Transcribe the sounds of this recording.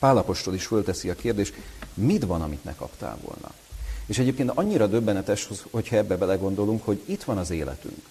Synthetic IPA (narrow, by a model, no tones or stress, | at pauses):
paːlɒpo̞ʃt̪o̞liʃfølt̪ɛsiɒkeːrd̪eːʃt̪mid̪ʋɒnɒmit̪nɛ̰kɒ̰pt̪a̰ːvo̰lnɒ̰ | eːʃɛɟeːp̚keːnt̪ɒɲːiɾɒd̪ø̞bːɛnɛt̪ɛʃhoho̞chɒɛbːɛbɛlɛɡo̞nd̪o̞luŋkho̞ɟit̪ʋɒnɒzeːlɛ̰t̪y̰ŋk